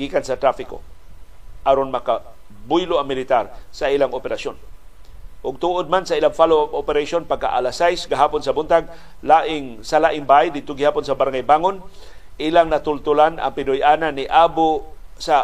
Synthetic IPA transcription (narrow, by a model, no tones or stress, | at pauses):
ɡ̥iːkansɐt̪ɾafɪko̰ | ʔaɾonmɐka | bʊjlʊaŋmɪlɪt̪aɾsailaŋopɛɾaʃon | ʔʊɡ̚t̪uʔod̪̚mansɐʔɪlaŋfalowabopɛɾaʃonpaɡ̚ka̰ʔa̰lasajsɡaɦaːpʊnsɐbʊnt̪aɡ̚ | laːʔɪŋsalaːʔɪŋbajd̪ɪd̪̚t̪ʊɡɪhaːpʊnsɐbaɾŋajbaːŋon | ʔɪlaŋnɐt̪ʊlt̪ʊlanʔa̰ŋpɪnʊjʔaːnanːɪʔaːbʊsa